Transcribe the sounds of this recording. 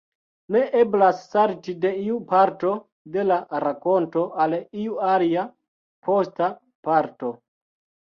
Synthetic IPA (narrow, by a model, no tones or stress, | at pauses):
ne̞ʔeblasːaɾtide̞iupaɾto̞ | de̞laɾako̞nto̞ʔaliuaɾia | pʰo̞sta | paɾto̞